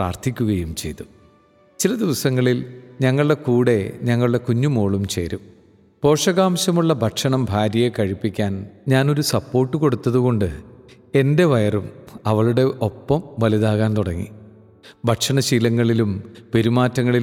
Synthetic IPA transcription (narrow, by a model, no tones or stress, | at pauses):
pra̰ːrt̪ʰikʲːuɣɐjumt͡ɕe̞̰jt̪ːu | t͡ɕilɐd̪iʋɐsɐŋːɐɭilɲɐŋːɐɭɨɽe̞kuːɽe̞ɲɐŋːɐɭɨɽe̞kuɲːumoːɭumt͡ɕe̞̰ːɾum | po̞ːʂɐɣaːmɕɐmuɭːɐbʱɐʈʂɐɳɐmbʱaːɾjɐjekɐɻipːikʲːaːnɲaːno̞ɾusɐpːo̞ːrʈːɨko̞ɽut̪ːɐðuɣo̞ɳɖɨ | e̞nde̞ʋɐjɐrumɐʋɐɭuɽe̞ʔo̞pːɐmʋɐliðaːɣaːnt̪uɽɐŋːḭ | bʱɐʈʂɐɳɐɕiːlɐŋːɐɭilumpe̞ɾumaːtːɐŋːɐɭil